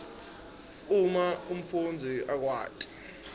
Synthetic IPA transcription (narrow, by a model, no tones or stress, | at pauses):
umaum̩fund͡zʱiʔak̬wa̰ːtʼi̥